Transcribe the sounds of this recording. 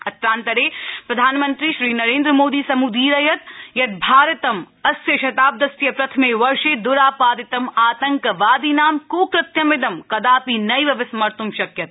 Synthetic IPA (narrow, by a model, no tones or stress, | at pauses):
ɐt̪ɾaːnt̪ɐɾeːpɾɐd̪ʱaːnmɐ̃nt̪ɾiʃɾiːnɐɾeːnd̪ɾəmoːd̪iːsɐmud̪ʱiːɾɐjɐt̪jɐt̪̚bʱaːɾɐt̪ɐm | ɐsjɐʃɐt̪aːb̚d̪ɐsjɐpɾɐt̪ʰmeːʋɐɾʃeːd̪ʊɾaːpaːd̪ɪt̪ɐmaːt̪ɐ̃ŋkɐʋaːd̪iːnaːmkoːkɾɪt̪jɐmɪd̪ɐmkɐd̪aːpinɐjʋɐʋɪsmɐɾt̪umʃɐkjɐt̪̚